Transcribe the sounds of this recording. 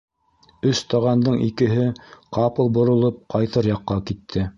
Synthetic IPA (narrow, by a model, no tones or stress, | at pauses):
ɵst̪ɑʁɑnd̪ɤɴikɘ̆ɦɘqɑpɤ̆lˠbŏɾŏlˠɤp̚qɑjt̪ɤɾjɑqːɑkit̪ʰːɘ